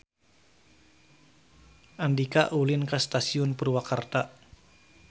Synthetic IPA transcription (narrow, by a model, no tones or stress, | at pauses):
ʔandika̰ʔulɪnkast̪asiʊnpurwakart̪aʔ